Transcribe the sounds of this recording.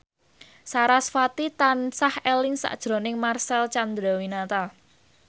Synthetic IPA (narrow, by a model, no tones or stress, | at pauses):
saɾasfat̪it̪ansahɛlɪŋsa̰d̥ʒ̥ɾo̤nɪŋmarsɛlt͡ʃand̪ɾawinat̪a